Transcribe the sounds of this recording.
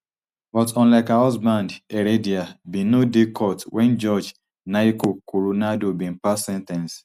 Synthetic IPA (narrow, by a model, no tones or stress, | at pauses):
bɔtɔ̃n̩lakaɔsbandeɾediabinodekʰɔtwɛnd͡ʒɔd͡ʒ | naikokuɾunadobim̩pasɛntɛ̃ns